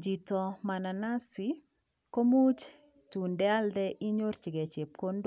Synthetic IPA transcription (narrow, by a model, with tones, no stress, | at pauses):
d͡ʒi˨tɔ˨ma˨na˨na˦sɪ | ko˦mu˦t͡ʃ | tu˨ndɛ˦a˦ld̪ɛ˦ʔi˦ɲo˦rt͡ʃi˨ɡɛ˨t͡ʃe˨p̚ko˦nd